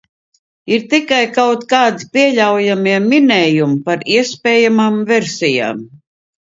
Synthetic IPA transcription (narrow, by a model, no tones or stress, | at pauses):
iɾt̪ikajkawt̪kaːd̪ipiɛlʲawjamiɛminɛːjumpaɾiɛspʲɛːjamaːmveɾsija̰ːm